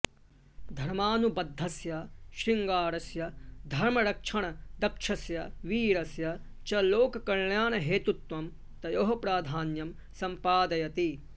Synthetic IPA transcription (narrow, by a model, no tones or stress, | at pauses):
d̪ʱɐɾmaːnubɐd̪ʱːɐsjɐʃɾiŋɡaːɾɐsjɐd̪ʱɐɾmɐɾɐkʂɐɳ̃ɐd̪ɐkʂʰɐsjɐʋiːɾɐsjɐ | t͡ʃɐloːkɐkɐɭɳjaːnɐɦeːt̪ut̪ʋɐm | t̪ɐjoɦɐpɾaːd̪ʱaːnjɐm | sɐmpaːd̪ɐjɐt̪i